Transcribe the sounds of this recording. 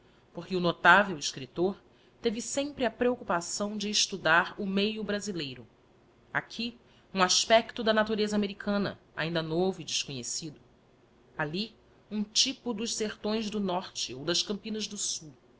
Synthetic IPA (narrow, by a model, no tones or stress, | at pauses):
poɾkɪunot̪avewɪʃkɾit̪oɾ | t̪evɪsẽmpɾɪɐpɾeokupasɐ̃w̃d͡ʒɪːʃt̪ud̪aɾʊmejʊbɾazilejɾʊ | a̰kʲʰi | ũaʃpɛkt̪ʊd̪ɐnat̪uɾezɐaːmeɾikʰɐ̃nɐ̰ | a̰ĩnd̪ɐnovʊid͡ʒɪʃkoɲḛsid̪ʊ | ali | ũt͡ʃipʊd̪ʊʃseɾt̪õj̃zd̪ʊnɔɾt͡ʃɪowd̪ɐʃkɐ̃mpĩnɐzd̪ʊsuw